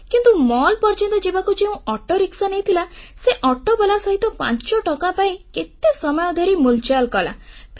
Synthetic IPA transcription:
kint̪umɔlpɔɾt͡ʃɔ̃nt̪ɔd͡ʒebakud͡ʒeũɔʈɔɾiksɔnejt̪ʰilaseʔɔʈɔbelasɔɦit̪ɔpã̰ɲt͡ʃɔʈɔkapaĩket̪esɔmɔjɔd̪ʱɔɾimult͡ʃalkɔla̰pʰ

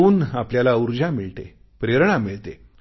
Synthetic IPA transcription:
uːnapljalauɾd͡ʑamiɭt̪ḛ | pɾeɾɳ̃amiɭt̪e

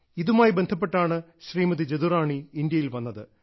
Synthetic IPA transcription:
iðumaːjibe̞nd̪ʱɐpːe̞ʈːaːɳɨ | ɕriːmɐðid͡ʑeðuraːɳiːnd̪jɐjilʋɐnːɐðɨ

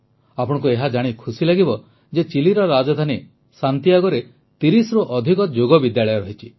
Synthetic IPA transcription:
apɔɽ̃ɔ̃k̬ueɦad͡ʒaɽ̃ikʰusilaɡibɔ | d͡ʒet͡ʃiliɾɔɾad͡ʒɔd̪ʱani | sant̪iaɡɔɾe | t̪iɾisɔɾuʔɔd̪ʱikɔd͡ʒoɡɔbid̪jaɭɔjɔɾɔɦit͡ʃʰi̥

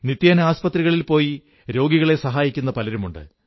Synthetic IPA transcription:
nit̪jaːnaːspɐt̪riɣɐɭilpo̞ːji | ɾo̞ːɡiɣɐɭe̞sɐɦaːjikʲːun̪ːɐpɐlɐɾumuɳɖɨ̰

